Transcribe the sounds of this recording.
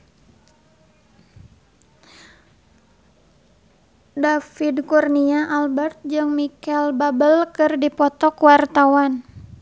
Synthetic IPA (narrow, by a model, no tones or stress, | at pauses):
dafidkurniaʔalbɛrt̪̚d͡ʒɨŋmikɛlbabəlkɨrdipɔt̪ɔkwart̪awan